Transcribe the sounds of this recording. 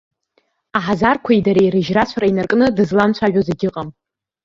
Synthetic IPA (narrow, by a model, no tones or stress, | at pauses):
aħazarkʷʰaidaɾajɾɨʒrat͡ɕʷʰaɾainarkʼnɨdɨzlamt͡ɕʷʰaʒᶣazeɡʲɪqʼam